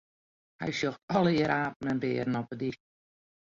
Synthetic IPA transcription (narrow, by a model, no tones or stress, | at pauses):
hɛ̰jsjoxtɔlˠəɾʔaːp̚ən̩əndɪːɾnɔpədi